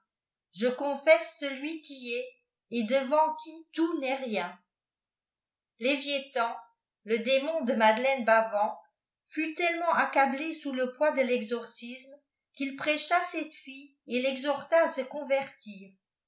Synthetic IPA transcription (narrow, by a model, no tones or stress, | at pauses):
ʒəkɔ̃fɛsːəlɥikʲiɛ | ed̪əvɑ̃kʲʰit̪unɛʁjɛ̃ | levjet̪ɑ̃ | ləd̪emɔ̃d̪əmad̪lɛnbavɑ̃ | fyt̪ɛlmɑ̃ʔakablesuləpwad̪əlɛɡzɔʁsism | kilpχeʃasɛt̪fi | elɛɡzɔʁt̪aːsəkɔ̃vɛʁt̪iːʁ